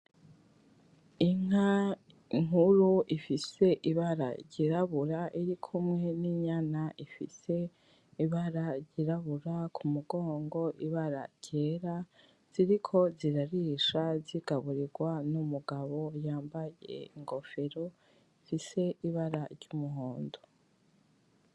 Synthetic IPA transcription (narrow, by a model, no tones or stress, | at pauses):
iŋ̥a | ŋ̥uɾuʔifise̞ʔiβaɾa̰ɾɟiɾaβuɾaʔiɾikʰumŋe̞niɲanaʔifḭse̞ | iβaɾaɟiɾaβuɾakʰumuɡoːŋɡo̞ʔiβaɾa̰ɾɟ̥e̞ːɾa | z̥iɾikʰo̞ziɾaɾiʃaziɡ̥aβuɾiɡwanumuɡaβo̞jaːmbajḛiŋɡo̞fe̞ɾo̞ | ifise̞iβaɾaɾɟumuɦoːndo